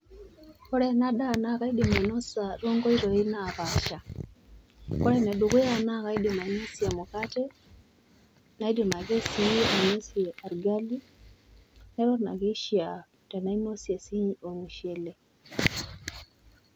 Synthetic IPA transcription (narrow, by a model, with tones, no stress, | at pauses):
kɔɾɛ˦na˦ɗa˦na˦ɣa˦idima˨inɔ˦saɾɔ˦ŋɡɔ˦iɾɔ˨inaβaʃa | kɔ˦ɾɛ˦nɛ˨ɗuɣu˦a˦na˦ka˦idi˨ma˨ino˦sjamukatɛ | na˦i˦dima˨ɣe˦si˦ia˨ino˦siɛʔaɾɡali | nɛ˦ɾɔ˦na̰˨ɣi˦ʃia | tɛ˨na˦i˦nosja˨si˦ɲo˨muʃɛ˨lɛ